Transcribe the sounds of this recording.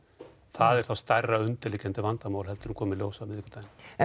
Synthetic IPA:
θaðɛɾ̥θawst̪ajrːaʏnt̪ɪlɪcɛnt̪ʏvant̪amawlɦɛlt̪ʏɾ̥hunkʰɔːmɪljowsavɪðihkːʏ̥ɾt̪aːjn

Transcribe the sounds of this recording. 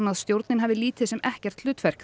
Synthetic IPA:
naðst̪jowɾt̪nɪnɦɛvðɪliːt̪ɪðsɛmɛhcɛɾ̥t̪lʏːt̪fɛr̥k

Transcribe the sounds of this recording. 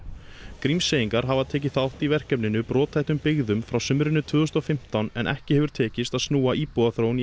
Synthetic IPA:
kɾimsejiŋkaɾɦavaðt̪ʰɛːc̬ɪθawl̥t̪ivɛr̥cœpnɪnʏpɾɔːt̪ʰajht̪ʏmpɪɣðʏmfɾawsʏmɾɪnːʏt̪ʰvʏːðʏst̪ɔfɪm̥t̪awnɛ̰nʔɛ̰hcɪhɛvʏɾ̥t̪ʰɛːcɪst̪aðsnuːaʔiːpɔðaθɾowni

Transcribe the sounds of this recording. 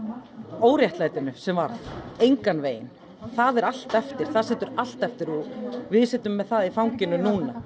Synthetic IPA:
oːwɾjɛht̪lajt̪ɪnʏsɛmvaɾðejŋkanveːjɪ̰n | θaðɛɾal̥t̪ɛft̪ɪɾ̥θaðsɛt̪ʏɾal̥t̪ɛft̪ɪɾuvɪðsɛt̪ʏmːɛðθaðifawŋcɪnʏnuːna

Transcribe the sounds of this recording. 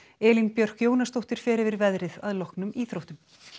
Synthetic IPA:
ɛːlinpjœr̥kjoːwnast̪owht̪ɪɾ̥fɛːɾɪvɪɾvɛðɾɪðaðlɔhknʏmiːθɾowht̪ʏm

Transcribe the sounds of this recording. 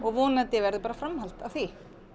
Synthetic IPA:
ɔɣvɔːnat̪ɪvɛɾðɪpaːɾafɾamhal̥t̪aθi

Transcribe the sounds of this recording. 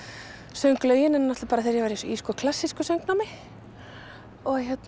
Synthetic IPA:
sœɥŋklœːɥjɪnɛnnaht̪paːɾaθeɾjɛɣvaɾjɛsiskɔːkʰlasːiskʏsœwŋknamɪ | ɔɣçɛt̪n

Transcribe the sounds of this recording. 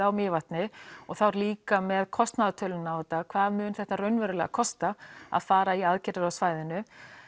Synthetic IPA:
awmɪːvaht̪nɪɔɣθawɾliːkamɛðkʰɔst̪naðat̪ʰœːlʏnːawvɛt̪ːakʰv̥aːðmʏːnθɛht̪ːaɾœɥnvɛɾʏlɛ̰ɣa̰kʰɔst̪aa̰ðfaːɾaiaðcɛɾɪɾawsvaːjðɪnʏ

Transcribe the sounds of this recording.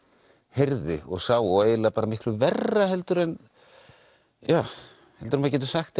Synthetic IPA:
hejɾðɪ̰ɔ̰ɣsaːwɔeːjlapaːɾamɪhk̪lʏvɛrːaɦɛlt̪ʏɾɛn | jaː | hɛlt̪ʏɾnmaðcɛt̪̬ʏ̥saxt̪

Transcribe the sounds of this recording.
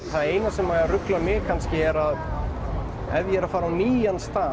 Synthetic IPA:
θaðeːjnasɛmːaarʏklamjɛɣkʰanscɪɛɾað | ɛðjɛɾafaːɾawniːjanst̪aː

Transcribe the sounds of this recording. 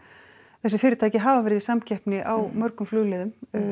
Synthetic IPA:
θɛsːɪ̥fɪːɾɪt̪ʰaːjcɪɦaːvavɛɾɪðisamcɛhpnɪʔawmœɾkʏmflʏːlɛːðʏm

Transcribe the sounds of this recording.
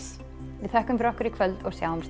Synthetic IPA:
vɪðθɛhkʏmfɪɾɔhkʏɾikʰvœlt̪ɔɣsjaːwhɔms

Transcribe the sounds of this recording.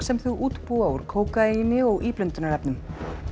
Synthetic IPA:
sɛmθuʔuːt̪puauɾ̥kʰoːwkainɪɔɣʔiːplʏnt̪ʏnaɾɛpnʏm

